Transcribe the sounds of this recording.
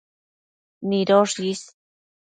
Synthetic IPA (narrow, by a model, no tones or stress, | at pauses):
niɾoʂis